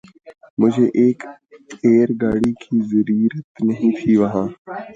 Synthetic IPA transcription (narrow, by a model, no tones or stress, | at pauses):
mʊd͡ʒʱeːʔeːk | eːɾɡaːɽiːkʰiːzəɾiːɾət̪nəɦĩːt̪ʰiːʋəɦãː